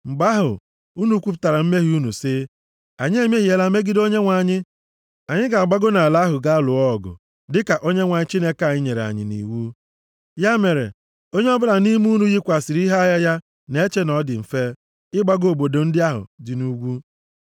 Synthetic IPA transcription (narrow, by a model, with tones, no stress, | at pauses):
ŋ͡m̩˨ɡ͡ba˦ɦʊ̰˨ | u˦nu˨˦kʷu˦pʊ˦ta˨ɾa˨m̩˦me˦ɦi˦u˦nu˨sɪ˦ | a˨ɲɪ˦e˦m˦e˦ɦi˨e˨la˦me˦ɡɪ˦do˦ɲe˦ŋʷa˨ɲɪ˦ | a˨ɲɪ˦ɡa˨a˨ɡ͡ba˦ɡʊ˦na˨la˦ɦʊ˨ɡa˦lʊ˨ɔ˦˨ɡʊ̰˨ | dɪ˦ka˨ʔo˦ɲe˦ŋʷa˨ɲɪ˦t͡ʃi˦ne˦ka˨˦˨ɲɪ˦ɲe˨ɾe˨a̰˨ɲɪ̰˨nḭ˨wu˦ | ja˦me˨ɾḛ˨ | o˦ɲe˦ɔ˦bʊ˦na˨ni˦mu˦nu˦ɣi˦kʷa˨sɪ˨ɾi˦ɦa˦ja˦ja˦ | ne˦t͡ʃe˦nɔ˨dɪ˨m̩˨fe˦ | ɪ˦ɡ͡ba˦ɡo˨bo˨do˨n̩˦dɪ˦a˦ɦʊ̰˨dɪ˨nu˦ɡʷu˦